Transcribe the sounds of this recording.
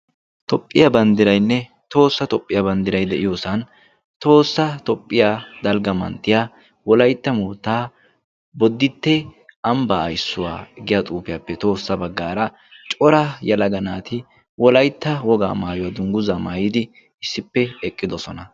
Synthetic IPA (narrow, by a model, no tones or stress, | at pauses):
t̪ʰɔpʼːɪjɐbɐnd̪ɪɾɐjnːɛ | t̪o̞ːsːɐt̪ɔpʼːɪjɐbɐnd̪ɪɾɐjd̪ɛʔɪjoːsɐn | t̪o̞ːsːɐt̪ɔpʼːɪjad̪ɐlɡɐmɐ̰nt̪ːɪjaː | wɔlɐjt̪ːɐmuːt̪ːaː | bɔd̪ːɪt̪ːɛɐmbɐ̰ːjsːʊwa̰ːɡɪjɐt̪ʼuːpɪjɐpːɛt̪o̞ːsːɐbɐɡːaːɾɐ | t͡ʃʼɔɾɐjɐlɐɡɐnaːt̪ʰɪ | wɔlɐjt̪ːɐwɔɡa̰ːmaːjʊwad̪ʊŋɡʊzaːmaːjɪd̪ɪ | ɪsːɪpːɛɛkʼːɪd̪ɔsɔnɐ